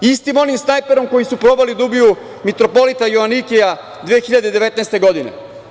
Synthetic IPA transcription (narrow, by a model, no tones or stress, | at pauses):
ist̪imo̞nimsnajpe̞ɾo̞mko̞jisupɾo̞ːbalid̪ubiju | mit̪ɾo̞po̞lit̪ajoʋanikeja | d̪ʋeexiʎad̪ed̪e̞ʋe̞t̪naːst̪eɡo̞d̪ine̞̰